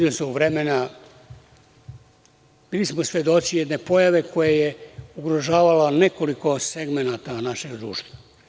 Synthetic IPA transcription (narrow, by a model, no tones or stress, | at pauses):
lismouʋɾemena | b̥iːlismosʋje̞d̪o̞t͡ʃijed̪ne̞po̞jaʋe̞kʰo̞jejeuɡɾoʒaːʋalane̞ko̞liko̞seɡme̞nat̪anaʃe̞ɡd̪ɾuːʃt̪ʋa